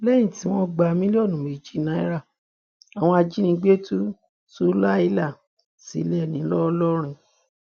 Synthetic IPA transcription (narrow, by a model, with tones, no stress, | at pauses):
lɛ˦j̃ĩ˦˨ti˨˦w̃ɔ̃˦ɡ͡ba˧˨mĩ˦li˦ɔ˦˨nũ˨mi˨d͡ʒi˦nã˨˦i˦ɾa˦˨ | a˨w̃ɔ̃˧a˧d͡ʒi˦nĩ˧˦ɡ͡be˦tu˦ | su˦la˦i˧˦la˦˨ | sḭ˨˦lɛ˦˨nĩ˨˦lɔ˦˧lɔ˦ɾ̃ĩ˧